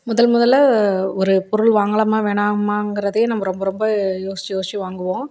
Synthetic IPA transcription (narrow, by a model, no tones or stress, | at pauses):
mʊðɐlmʊðɐlɐɔɾɯpɔɾɯɭʋaːŋɡɐɭɐmaːʋeːɳaːmaːŋɡɪɾɐðejnɐmːɐɾɔmbɐɾɔmbɐjoːsɪt͡ʃːijoːsɪt͡ʃːiʋaːŋɡɯʋõː